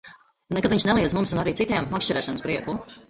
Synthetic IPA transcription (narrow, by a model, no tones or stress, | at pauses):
nekad̪viɲʃnɛlˠiɛzmumsunaɾiːt̪sit̪iɛmːakʃt͡ʃɛɾɛːʃanspɾiɛkuː